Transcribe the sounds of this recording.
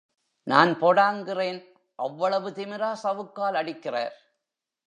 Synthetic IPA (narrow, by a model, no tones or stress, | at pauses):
naːnpoːɽaːŋɡɪreːn | ʔɐʋːɐɭɐʋɯt̪ɪmɪɾaːsɐʋɯkːaːlɐɽɪkːɪra̰ːɾ